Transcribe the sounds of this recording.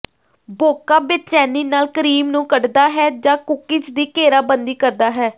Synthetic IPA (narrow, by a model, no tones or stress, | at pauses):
boːkaːbɪt͡ʃɛːniːnaːlkəɾiːmnũːkəɖd̪aːɦɛːd͡ʒãːkʊkɪt͡ʃd̪iːkeːɾaːbənd̪iːkəɾd̪aːɦɛː